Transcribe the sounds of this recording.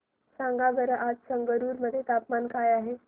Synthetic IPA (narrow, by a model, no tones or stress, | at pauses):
sãŋɡaʋəɾəʔad͡zsəŋɡəɾuːɾməd̪ʱːjet̪apmankajaɦe